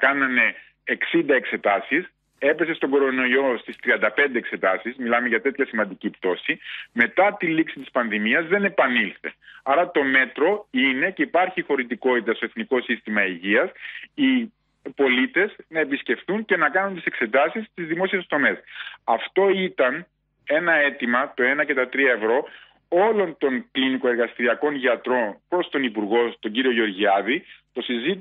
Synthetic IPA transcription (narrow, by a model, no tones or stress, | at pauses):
kɐnɐne̞ː | ksind̪ɐe̞kse̞t̪ɐsis | e̞pe̞se̞st̪oɡo̞ɾo̞no̞io̞st̪ist̪ɾiɐnd̪ɐpe̞nd̪eekse̞t̪ɐsizmilɐme̞ʝɐt̪e̞t̪çɐsimɐnd̪icipt̪o̞sime̞t̪ɐt̪iliksit̪ispɐnðimiɐzðe̞ne̞pɐnilθe̞̰ɐɾɐt̪o̞me̞t̪ɾo̞ine̞ce̞ipɐɾçixo̞ɾit̪iko̞t̪it̪ɐst̪o̞e̞θniko̞sist̪imɐiʝiɐsi | po̞lit̪e̞znɐe̞bisce̞fθunce̞nɐkɐnunt̪ise̞kse̞t̪ɐsist̪izðimo̞sie̞st̪o̞me̞sɐft̪o̞it̪ɐn | e̞nɐe̞t̪imɐt̪o̞e̞nɐce̞t̪ɐt̪ɾiɐe̞vɾo̞ | o̞lo̞nt̪o̞ŋkliniko̞e̞ɾɣɐst̪iɾiɐko̞nʝɐt̪ɾo̞npɾo̞st̪o̞nipuɾɣo̞t̪o̞ɲɟiɾio̞ʝo̞ɾʝiɐðit̪o̞sizit̪